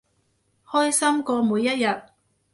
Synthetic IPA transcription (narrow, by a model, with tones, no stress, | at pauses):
hɔː˥jsɐ˥mkɔː˧muː˨˧jːɐ˥t̚jɐ˨t̚